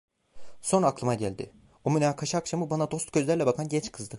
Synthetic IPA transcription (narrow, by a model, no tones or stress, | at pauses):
so̞nɾaːklˠɯmaɟælʲd̪ɪ̰ | omynaːkʰaʃaːkʃamɯbanad̪o̞st̪ɟ̥øzlʲæɾlʲɛbakʰanɟɛt͡ʃkʰɯzd̪ɯ